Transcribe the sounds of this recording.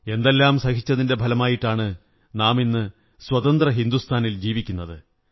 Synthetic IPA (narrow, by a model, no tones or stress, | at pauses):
e̞nd̪elːaːmsɐhit͡ɕːɐðinde̞bʱɐlɐmaːjiʈːaːɳɨ | naːminːɨ | swɐt̪ɐnd̪rɐɦind̪ust̪ʰaːnild͡ʑiːʋikʲːunːɐðɨ